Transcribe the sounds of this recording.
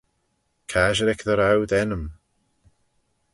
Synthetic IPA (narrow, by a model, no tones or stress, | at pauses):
kʰaːʒəɾɛkðəɾawdɛnəm